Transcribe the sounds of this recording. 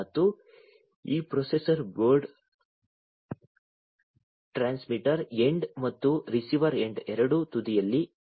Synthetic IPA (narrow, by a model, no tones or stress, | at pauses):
ɐt̪ːu | iːpɾosesɐɾɡoːɾɖ | ʈɾaːnsmiʈɐɾeɳɖmɐt̪ːuɾisiʋɐɾeɳɖɛɾɐɽut̪ud̪ijɐlːi